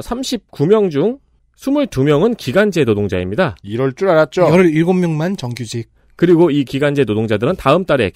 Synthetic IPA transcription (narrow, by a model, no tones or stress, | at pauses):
sʰamɕʰip̚k͈umjʌŋd͡ʑuŋ | sʰumuɭtumjʌŋɯnkiɡand͡ʑe̞todoŋd͡ʑa̰imɲidaiɾʌɭt͡ɕ͈uɾaɾat̚t͡ɕ͈ojʌɾɯɾiɭɡomjʌŋmant͡ɕʌŋɡjud͡ʑik̚ | kɯɾiɡoikiɡand͡ʑe̞todoŋd͡ʑadɯɾɯntaɯmt͈aɾe̞̰